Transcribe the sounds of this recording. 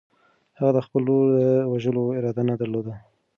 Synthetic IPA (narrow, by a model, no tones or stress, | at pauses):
haɣad̪əxpəlːod̪əwaʒəloɪɾɑd̪anad̪aɾlod̪a